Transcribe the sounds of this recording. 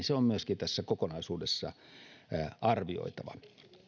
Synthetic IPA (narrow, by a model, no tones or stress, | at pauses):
seommyøskint̪æsːækokonɑisuːdesːɑ̰ | ʔɑrʋio̰it̪ɑʋɑ̰